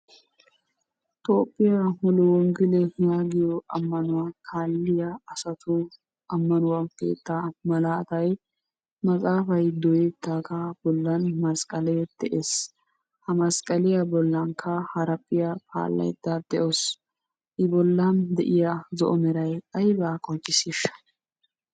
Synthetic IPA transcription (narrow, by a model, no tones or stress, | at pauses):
t̪oːpʼːɪjamɔlɔwɔŋɡɪlɛjaːɡɪjɔʔɐmːɐnʊwakʰaːlːɪjaɐsɐt̪ʰʊ | ɐmːɐnʊwɐnkḛːt̪ːamɐlaːt̪ɐj | mɐkʼaːfɐjd̪ɔjɛt̪ːaːkɐb̥ɔlːɐnmɐskʼɐlɛd̪̥ɛʔeːs | hɐmɐskʼɐlɪjɐbɔlːɐŋkʰːɐhɐɾɐpʼːɪjapa̰ːlːɐ̰jd̪ad̪̥ɛʔos | ʔɪbɔlːɐnd̪ɛʔɪjɐzɔ̰ʔɔmɛɾɐjɐjbaːkʼɔt͡ʃʼːɪsiʃɐ̥